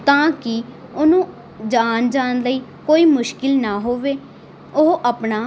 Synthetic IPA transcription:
t̪ãːkɪ | ʊnũː | d͡ʒaːnd͡ʒaːnləiːkoːiːmʊʃkɪlnaːɦoːʋeː | ʊɦʔəpnaː

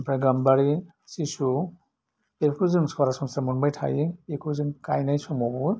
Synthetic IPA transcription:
pʰɾajɡambaɾi | sisu | ekʰuzɯŋskaɾasɔmsamɔnbajtʰa̰jekʰuziŋkajnajsɔmɔbu

